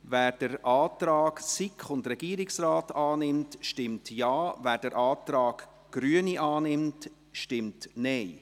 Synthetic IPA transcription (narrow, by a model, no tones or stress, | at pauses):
væːɾd̥əɾʔɑːtɾaɑːɡsɪkχʊndɾɛɡiːɾɪksrɑːtɑːnɪmtʃtɪmtjɑːvæːɾd̥əɾʔɑːtɾɑːɡ̥ | ɡ̥ɾyəniʔɑːnɪmt | ʃtɪmtnɛɪ